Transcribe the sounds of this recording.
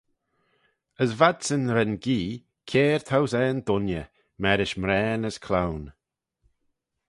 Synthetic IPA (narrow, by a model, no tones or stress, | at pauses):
əzvad̪sənɾɛnɡiː | kʰeːɹt̪ʰawzɛːnd̪ʊnjə | mɛɾɪʃmɾɛːnəskʰlawn